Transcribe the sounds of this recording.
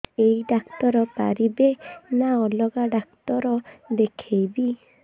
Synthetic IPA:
eiɖakt̪ɔɾɔpa̰ɾibenaɔlɔɡaɖak̚t̪ɔɾɔd̪ekʰejbi

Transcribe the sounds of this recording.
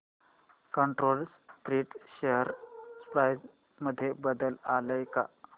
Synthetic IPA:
kəɳʈɾolst̪ɾiːʈɕeɦəɾspɾajd͡z | məd̪ʱːjebəd̪əlaləjka̰

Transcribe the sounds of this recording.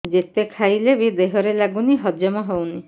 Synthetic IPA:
d͡ʒet̪ekʰajlebid̪eɦɔɾelaɡuniɦɔd͡ʒɔmɔɦowni

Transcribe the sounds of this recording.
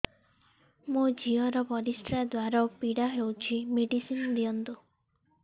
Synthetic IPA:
mũd͡ʒiɔɾɔbɔɾisʈɾad̪waɾapiɽaɦewt͡ʃʰimiɖisinlijɔnd̪u

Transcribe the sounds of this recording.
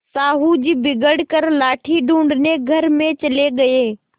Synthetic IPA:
saːɦud͡ʑiːbɪɡəɽkɐɾlaːʈʰiɖʱũːɳɖneɡʱɐɾmẽt͡ɕɐleɠɐeː

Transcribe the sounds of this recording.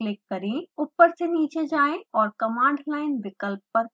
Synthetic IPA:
lɪkːəɾẽupːəɾseniːt͡ʃed͡ʒaːẽɔːɾkɐmãːɳɖlaːɪnʋɪkəlpːəɾ

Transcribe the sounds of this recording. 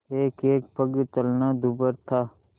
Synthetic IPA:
eːkeːk̚pʰəɡt͡ʃəlnaːd̪ubəɾt̪ʰaː

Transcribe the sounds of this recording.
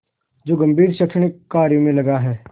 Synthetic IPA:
d͡ʒoːɡɐ̃mbʱiːɾʃəkʂəɳ̃ɪkːaːɾjõmẽlɐɡaɦɛː

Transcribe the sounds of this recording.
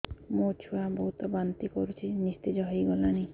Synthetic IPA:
mot͡ʃʰuwabɔɦut̪ɔbant̪ikɔɾut͡ʃʰinist̪id͡ʒɔɦojɡɔlani

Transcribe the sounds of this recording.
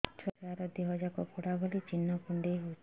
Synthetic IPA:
t͡ʃɔɾaɾɔd̪iɦɔd͡ʒakɔpuɽaɡɔlit͡ʃinːɔkuɳɖeɦu

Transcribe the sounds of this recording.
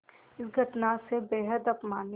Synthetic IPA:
ɪsɡʱɐʈnasebeːɦəd̪ɐpmaːn

